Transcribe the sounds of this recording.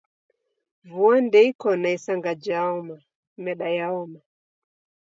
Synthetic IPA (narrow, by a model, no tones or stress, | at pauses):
vuandɛikɔnaisaŋɡad͡ʒaɔma | mɛɗajaɔma